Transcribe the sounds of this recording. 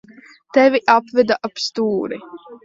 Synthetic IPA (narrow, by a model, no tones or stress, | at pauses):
t̪ɛviʔapvɛd̪aʔapst̪uːɾi